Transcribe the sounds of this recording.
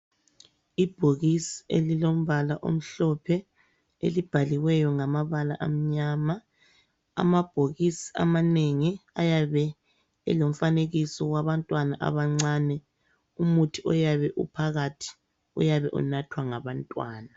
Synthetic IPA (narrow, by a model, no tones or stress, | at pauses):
ib̥ʱoɣisi̥ḛlilom̩βalaʔo̰m̩ɬɔpʰɛ | ḛlib̥ʱaliwɛjɔŋamaβala̰ʔam̩ɲaːma | a̰mab̥ʱoɣisi̥a̰maneŋiajaβɛ | ɛ̰lom̩faneɣisɔwaβantʼwanaʔa̰βaŋ͡ǀaːnɛ | umutʰiɔjaβɛʔṵpʰaɣatʰi̥ | ṵjaβɛʔṵnatʰwaŋaβantʼwaːna